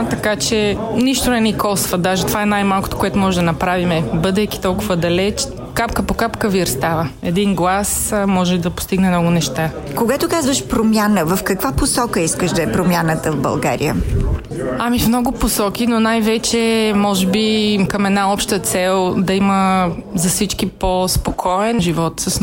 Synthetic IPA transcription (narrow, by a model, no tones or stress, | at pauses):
t̪ɐkat͡ʃɛniʃt̪onɛnɛkɔsvəd̪aʒɛt̪ovaɛnajmalˠko̥t̪o̥koɛt̪omɔʒɛd̪ɐnɐpɾavimɛbɤd̪ɛjki̥t̪ɔlˠkʊvəd̪ɐlɛt͡ʃ | kapkəpokapkəviɾst̪avəɛd̪inɡlˠasmɔʒɛid̪ɐpo̥st̪iɡnɛmnɔɡʊnɛʃt̪a | koɡat̪okazvəʃpɾomʲjanəvəfkɐkvaposɔkəiskəʃd̪ɐɛpɾomʲjanət̪əvbɐ̰lˠɡa̰ɾḭə̰ | amifmnɔɡʊposɔkinonajvɛt͡ʃɛmɔʒɛbikɐmɛd̪naɔpʃt̪ət̪sɛlˠd̪ɐiməzɐfsit͡ʃk̟ipospokʰɔɛnʒivɔt̪səs